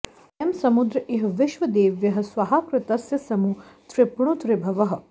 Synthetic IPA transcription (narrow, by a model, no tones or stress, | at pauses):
emsɐmud̪ɾɐʔeɦɐʋɪʃʋɐd̪eːʋjɐɦɐ̆sʋaɦaːkɾɪt̪ɐsjɐsɐmut̪ɾɪpɳ̃ut̪ɾɪbʱɐʋɐɦɐ̆